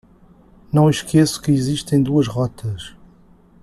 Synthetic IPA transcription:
nɐ̃w̃ʃkɛsu̥kɨiziʃt̪ɐ̃j̃d̪uɐʃʁɔt̪ʰɐʃ

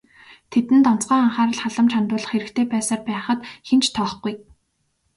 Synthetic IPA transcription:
t̪ʰet̪ɘ̆nt̪ɔn̥t͡sɢœːaɴχaːɾə̆ɮχaɮə̆mt͡ɕʰant̪ʊːɮə̆χeɾɘ̆kt̪ʰeːpæːsaːrpæːχə̆t̪xent͡ɕt̪ʰɔːχɡuj

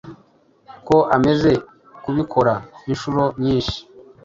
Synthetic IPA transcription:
ko̞ʔame̞ze̞ | kuβikʰo̞ɾaiʃuɾo̞mɲiːnʃi̥

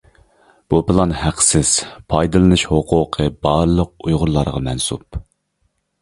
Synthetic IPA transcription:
b̥upɨlˠɑnhæqsɪz̥pʰɑjd̪ɨlˠɨnɨʃhoqʰʊqʰəbɑɾlˠəq̚ujʁʊɾlˠɑɾʁɑmɛnsup

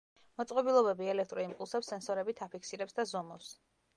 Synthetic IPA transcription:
mɔt̪sʼqʼɔbilˠɔbɛbiɛlɛk̚ʰt̪ʼɾɔimpʼulˠsɛpsɛnsɔɾɛbit̪ʰapʰikʰsiɾɛpsd̪azɔmɔps

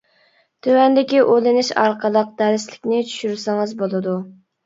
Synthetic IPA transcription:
t̪ʰøwɛnd̪ɪkʲiʔolɪnɪʃɑ̰ɾqʰəlˠəq̚d̪̥æɾɪslɪkʲnɪt͡ʃʰy̥ʃyɾsɪŋɨzbolˠɨd̪u

